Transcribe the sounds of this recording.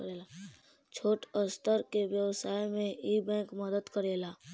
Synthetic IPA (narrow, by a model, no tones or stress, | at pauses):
ɾela | t͡ʃʰoːʈəst̪əɾkeʋjəwsaːjmẽiːbɛ̃ːkməd̪əd̪kəɾeːlaː